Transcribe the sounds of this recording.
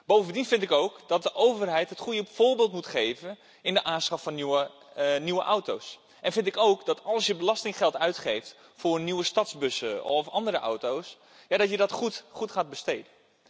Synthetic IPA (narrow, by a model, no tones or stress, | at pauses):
b̥owvəndinfɪntɪkowkdɑt̚dəʔowvərɦɛjtɦətχujəfoːɹbɪːlˠtmutχeːvən | ɪndəʔaːnsχɑffɑn | niʋəʔawtows | ʔɛnfɪntɪkowkdɔtɑlˠsjəbəlɑstɪŋχɛlˠtœɥtχejft | fʊːrniʋəstɑtzbøsə̰ɔfɑndəɾəʔa̰wtows | jadɔtjədɔtuχutχaːd̚bəsteːdən